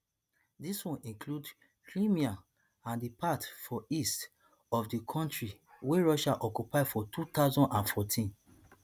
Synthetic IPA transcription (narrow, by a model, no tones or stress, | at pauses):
diswɔ̃nʔĩŋklud | kʰɹĩmia | ãndipatfɔist | ɔfdikʰɔ̃ntɹiweɹɔʃaʔɔkjupaɪfɔtut̪aʊzɔ̃ndãnfɔtʰĩn